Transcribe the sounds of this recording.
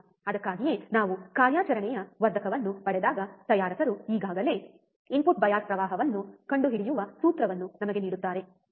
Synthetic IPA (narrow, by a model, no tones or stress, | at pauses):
ɐd̪ɐkːaːɡije̞naːʋukaːɾjaːt͡ʃɐɾɐɳɛjɐʋɐɾd̪ʱɐkʰɐʋɐnːupɐɽɛd̪aːɡɐt̪ɐjaːɾɐsɐɾuiːɡaːɡɐle̞ː | impuʈ̚bɐjaːspɾɐʋaːɦɐʋɐnːukɐɳɖuɦiɽijuʋɐsuːt̪ɾɐʋɐnːunɐmɐɡe̞niːɽut̪ːaːɾe̞